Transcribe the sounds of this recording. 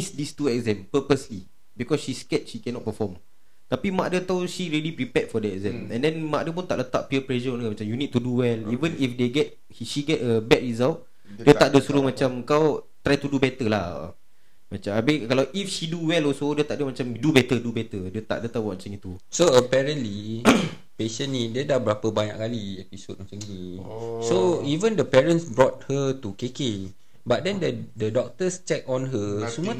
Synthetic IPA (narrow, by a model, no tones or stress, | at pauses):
isdist̪uɛk̚zɛ̃mpəpəsli | bikɔsʃiskɛt̚ʃikɛnɔʔ̚pəfɔm | t̪apimãʔdət̪awʃiɹilipɾipɛtfɔdəɛkzɛ̃mmɛ̰̃ndɛ̃nmãʔdəpunt̪aʔlət̪aʔ̚piəplɛʃəɔ̃nəmãt͡ʃamjunid̚t̪uduwɛlivə̃nifdeɡɛt̚ | iʃiɡɛtəbɛt̚ɹizalt̚ | diətt̪aʔdəsuɾumãt͡ʃaməkaw | t̪ɾajt̪udubɛt̪əla̰ | mat͡ʃamabɪkalawʔifʃiduwɛlɔsodiət̪aʔdəmat͡ʃamdubɛt̪ədubɛt̪ədiət̪a̰ʔdət̪awɔʔt͡ʃãŋĩt̪u | soəpɛɹə̃nli | peʃə̃nnĩdiədahbəɾapəbaɲa̰ʔkaliɛpisot̚mãt͡ʃəŋnisoivə̃ndəpɛɹə̃nsbɹɔt̪̚hət̪ukeke | bat̚dɛ̃ndədədɔk̚t̪əst͡ʃɛk̚ɔ̃nɦəsumə